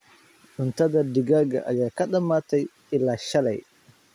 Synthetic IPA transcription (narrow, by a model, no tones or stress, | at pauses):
ɗʊnt̪ad̪adiɡaɡa̰ʔa̰jaːkɐɗɐmːaːt̪ɐj | ɪlːaʃɐlɐ̰j